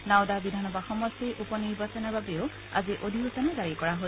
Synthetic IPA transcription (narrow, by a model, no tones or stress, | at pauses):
naʊdabidʱanɔbaxɔmɔstiɹʔupɔniɹbasɔnababeʊ | a̰ziʔodʱiɦusɔnɛzaɹikɔɹaɦo